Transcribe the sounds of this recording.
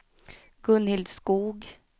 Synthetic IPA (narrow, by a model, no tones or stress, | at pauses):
ɡ̥ɵnhɪld̪skuːɡ